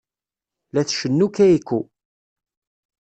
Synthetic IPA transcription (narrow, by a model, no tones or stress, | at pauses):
læθʃənːukæikːu